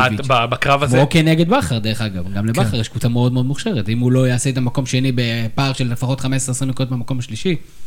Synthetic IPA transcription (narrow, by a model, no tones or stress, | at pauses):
ababakʁavamzokeneɡe̞d̪̚baχaʁd̪eʁeχaɡavɡamlebaχaʁjeʃkutameo̞d̪meo̞d̪muχʃeʁet̪imhulo̞jaːseet̪̬amako̞maʃe̞nibepaʁʃelefaχo̞t̪χamesʁeasʁimikutmemako̞maʃliʃi